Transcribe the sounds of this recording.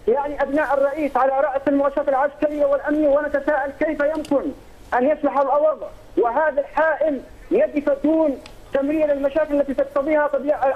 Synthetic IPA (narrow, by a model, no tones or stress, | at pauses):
jaʕniʔabnaːʔɑrˤːɑʔiːsʕalaɾˤɑːʔjsalmʊʕaːʃɾˤɑːt̪alʕaskaɾɪjːawɪlʔamnwanat̪asaːʔalkejfajʊmkɪn | ʔanjaslɑħalʔɑwɑðˤ | wɪɦaːðalħaːʔɪl | jad̪ɪfad̪uːn | t̪amɾiːlalmaʃaːkɪlalːat̪iːt̪ɑq̚t̪ɑðˤiːhat̪ˤɑbiːʕa